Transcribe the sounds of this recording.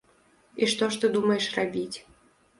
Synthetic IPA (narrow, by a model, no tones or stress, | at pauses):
iʂt̪ɔʂt̪ɨd̪umɐjɛʂrabʲit͡sʲ